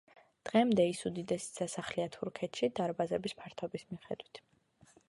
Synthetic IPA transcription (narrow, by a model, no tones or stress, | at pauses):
d̪̥ʁɛmd̪ɛisud̪id̪ɛsi̥sasaχliat̪ʰuɾkʰɛt̪ʰʃid̪aɾbazɛbispʰaɾt̪ʰɔbismiχɛ̰d̪wit̪ʰ